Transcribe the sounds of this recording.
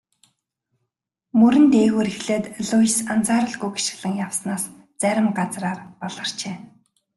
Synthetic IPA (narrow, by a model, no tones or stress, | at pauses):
mɵɾɘ̆nt̪eːɣuːɾixɮeːt̪ɮʊjsant͡saːɾə̆ɮɡujɡi̥ʃɪ̥̆ɮə̆ŋjawsnaːs | t͡sæɾʲɪ̆mɢat͡sraːrpɔɮə̆r̥t͡ɕeː